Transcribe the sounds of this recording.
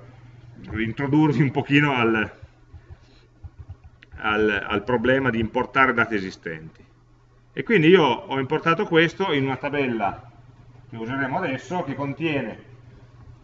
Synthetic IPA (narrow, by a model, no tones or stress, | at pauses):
diːnt̪ɾod̪urviumpok̟iːnoal | a̰la̰lpɾoblɛːmad̪iːmport̪aːɾed̪aːt̪iezist̪ɛ̰nt̪i̥ | ekːwind̪iiːoɔimport̪aːt̪okwest̪oinunat̪abɛlːa | k̟euzeɾeːmoad̪ɛsːok̟ekːont̪jɛːne